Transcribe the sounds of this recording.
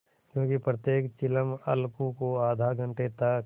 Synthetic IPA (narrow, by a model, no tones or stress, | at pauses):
kjõːkipɾət̪jeːkt͡ʃɪləmɐ̰lkũkoaːd̪ʱaɡʱɐ̃ɳʈet̪ə